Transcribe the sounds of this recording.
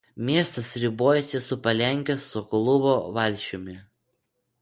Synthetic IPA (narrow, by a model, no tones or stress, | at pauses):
mʲiɛst̪ɐsɾʲɪboːjɛsʲɪsʊpɐlʲɛŋʲkʲɛsːʊklˠʊboːʋɐlʲʃʲʊmʲɪ